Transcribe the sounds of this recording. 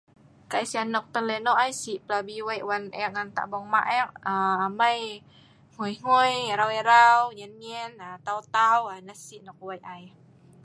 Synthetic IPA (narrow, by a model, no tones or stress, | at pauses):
kajsianːɔk̚t̪əlɛnɔʔajsiʔplabiwajʔwanɛʔ̚ŋant̪a̰ʔbɔŋmaʔɛʔ̚əamaj | ŋojŋojɾawɛɾawɲənmɛnat̪awt̪awanasiʔnɔk̚wajʔaj